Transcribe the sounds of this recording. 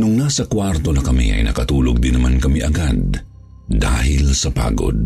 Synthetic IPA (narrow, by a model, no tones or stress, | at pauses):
nʊŋnasɐkwaɾt̪o̞nɐkɐmḭʔɐ̰jnɐkɐt̪uːloɡ̚d̪ɪnɐmankɐmiʔɐɡad̪̚ː | aːɦɪlsɐpa̰ːɡo̰d̪̚